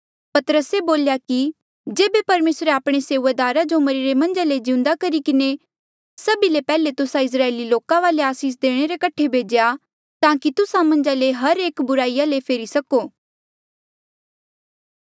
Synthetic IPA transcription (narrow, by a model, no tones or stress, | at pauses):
pɐt̪əɾəseboːljaki | d͡ʒeːbepɐɾmeːsɾeaːpɽ̃eseːʊʋad̪aːɾad͡ʒomɐɾiɾemɐ̃nd͡ʒaled͡ʒɪ̃ʊ̃nd̪akɐɾikɪne | sɐbilepɛːlet̪ʊsãɪs̬ɾaːeːliloːkãʋaːleaːsiːs̬d̪eːɽ̃eɾekɐʈʰːebʱeːd͡ʒja | t̪ãːkit̪ʊsãmɐ̃nd͡ʒaleɦɐɾeːkbʊɾaːijalepʰeːɾisɐkoː